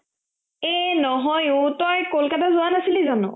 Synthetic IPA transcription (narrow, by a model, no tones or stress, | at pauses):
enɔɦɔjʊtɔjkolkatazʊanasilizanʊ̰